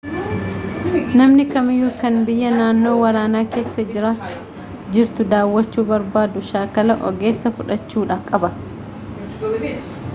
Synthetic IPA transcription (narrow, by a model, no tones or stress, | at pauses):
nɐmnɪkɐmɪjuːkɐnbɪjːɐnaːnːo̞ːwɐɾaːnaːke̞ːsːɐd͡ʒɪɾa | d͡ʒɪɾt̪ʊd̪aːwːɐt͡ʃːuːbɐɾbaːd̪ʊʃaːkɐlɐʔɔ̰ɡe̞ːsːɐfʊᶑɐt͡ʃːuːᶑaːkʼɐbɐ